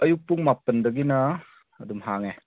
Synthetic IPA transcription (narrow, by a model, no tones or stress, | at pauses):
ɐjuk̚puŋmapɐndɐɡinɐː | dumɦaŋe